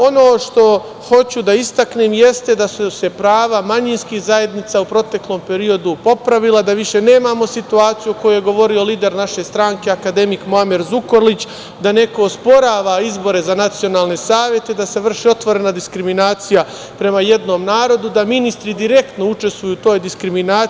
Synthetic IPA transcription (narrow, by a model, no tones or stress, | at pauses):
o̞no̞ːʃt̪o̞ | ho̞t͡ɕud̪aist̪akneːmje̞st̪e̞d̪asuse̞pɾaːʋamaɲinskixzaje̞d̪nit̪saupɾo̞t̪e̞klˠo̞ːmpe̞ɾio̞d̪upo̞pɾaʋilˠad̪aʋiʃe̞ne̞ːmamo̞sit̪uaːt̪sijuko̞juje̞ɡo̞ʋo̞ɾio̞liːd̪e̞ɾnaʃe̞st̪ɾaːŋke̞akad̪e̞mikmoameɾzuko̞ɾlit͡ɕ | d̪ane̞ko̞ːspo̞ɾaːʋaizbo̞ɾe̞zanat̪sijo̞naːlne̞saːʋje̞t̪ed̪ase̞ʋr̩ʃio̞t̪ʋo̞ɾe̞nad̪iskɾiminaːt̪sija | pɾe̞maje̞d̪no̞mnaːɾo̞d̪ud̪aminist̪ɾid̪iɾe̞kt̪no̞ut͡ʃe̞st̪ʋujut̪o̞ːjd̪iskɾiminaː